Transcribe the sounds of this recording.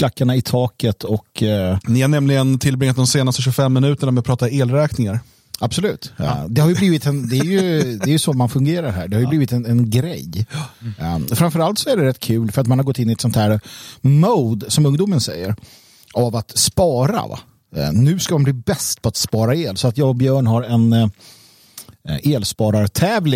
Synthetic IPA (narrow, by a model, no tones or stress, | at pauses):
kʰlakːaɳaɪt̪ʰɑːkət̪ʰɔknɪhaɳɛmlɪɡənt̪ʰɪlbɾɪŋːt̪̚d̪ɔmseːnast̪əɕɵfɛmːɪnʉ̟ːt̪əɳamɪpʰɾɑːt̪aeːlɾɛːknɪŋaɾ | ab̥sɔlʉ̟ːt̪d̪ɛhaɾjɵbliːvɪt̪ɛnd̪ɛæjɵd̪ɛːɾjɵsɔmanfɵŋɡeːɾaɾɦæ̰ːɖɛhaɾjʏbliːvɪt̪ɛnɛnɡɾɛ̰j | fɾamfœɾalt̪sɔæɖɛɾɛt̪ːkʰʉ̟ːlfœɾat̪manhaɾɡɔt̪ːɪnːɪɛt̪sɔnt̪ʰhæːɾmoːd̪sɔmɵŋd̪uːmənsɛjːə̰ɾ | avat̪spɑːɾa̰va̰ | nʉ̟ːskamanbliːbɛst̪pʰɔat̪spɑːɾaeːlsɔat̪jɑːɡɔbjœːɳɦaɾɛn | eːlspɑːɾaɾt̪ʰɛːvlɪ